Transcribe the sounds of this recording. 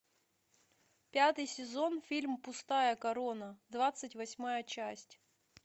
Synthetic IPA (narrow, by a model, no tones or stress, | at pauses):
pʲat̪ɨjsʲɪzo̞nfʲilʲmpʊst̪ajəkɐɾonəd̪vat̪sɨtʲvɐsʲmajət͡ɕæsʲtʲ